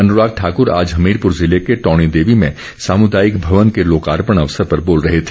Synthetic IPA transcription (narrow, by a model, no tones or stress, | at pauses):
ɐnʊɾaːɡ̚ʈʰaːkʊɾa̰ːd͡ʒɦɐmiːɾpʊɾzɪlekeʈɔːɽ̃id̪eːʋimẽ | saːmʊd̪aːjɪkbʱɐʋənkeloːkaːɾpəɽ̃ɐʋəsəɾpɐɾboːlɾɐɦet̪ʰe̥